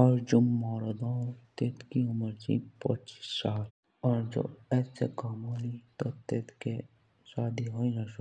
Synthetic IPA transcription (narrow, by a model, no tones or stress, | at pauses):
ɔːɾd͡ʒʊmːɔːɾd̪õɾt̪eːt̪kiʊməɾd͡ʒḭpə̰t͡ʃi̥sːaːl | ɔːɾd͡ʒo̰ːɛːsḛkaːmolit̪ot̪eːt̪ke | ʃaːd̪iɦoːinaʃo